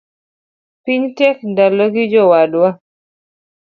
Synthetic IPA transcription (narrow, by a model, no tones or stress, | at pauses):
piɲtɛk̚ndalɔɡid͡ʒɔwadwa